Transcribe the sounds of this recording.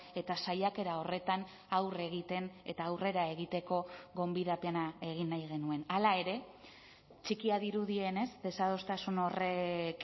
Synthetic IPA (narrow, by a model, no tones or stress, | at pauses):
e̞t̪asajake̞ɾao̞re̞t̪an | awre̞ɣ̞it̪e̞ne̞t̪aːwre̞ɾae̞ɣ̞it̪e̞ko̞ɣo̞mbiðapeanae̞ɣ̞inːajɣe̞nue̞nalae̞ɾe̞ | t͡ʃikiaðiɾuðie̞ne̞zd̪e̞saðo̞st̪asuno̞re̞k